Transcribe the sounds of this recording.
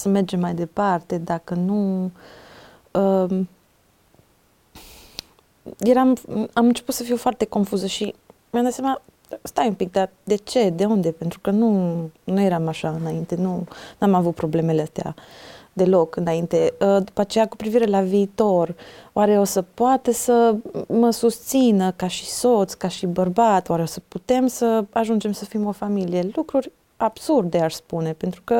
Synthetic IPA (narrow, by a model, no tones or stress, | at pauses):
səme̞rd͡ʒe̞mːajd̪e̞part̪e̞d̪akənu | ə | je̞ɾamamɨnt͡ʃe̞put̪səfijufoart̪e̞ko̞nfuzəʃimjamd̪at̪samna | st̪ajumpik̚d̪ad̪e̞t͡ʃe̞d̪e̞und̪e̞pe̞nt̪ɾukənunuje̞ɾamaʃaɨnaint̪e̞nunamavut̪̚pɾo̞ble̞me̞leəst̪ea̰d̪e̞lo̞kɨnaint̪e̞əd̪upat͡ʃe̞jakupɾiviɾe̞laviːt̪o̞roʔaɾe̞o̞səpoat̪əsəməsust̪sinəkaʃi̥so̞t̪sʲkaʃibərbat̪owaɾe̞o̞səput̪e̞msəaʒund͡ʒe̞msəfimo̞familije̞lukɾurʲ | ab̥surd̪e̞aʃspune̞pe̞nt̪ɾukə